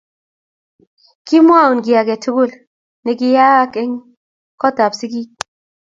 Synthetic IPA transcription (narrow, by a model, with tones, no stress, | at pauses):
ki˦mwa˦˨u˨nɡi˨ja˨ɡɛ˨tʰʊ˦ɡu˦˨l | ne˨ɡi˦ja˦ke˦ŋ | kɔ˦ta˨psi˦ɡ̬i˦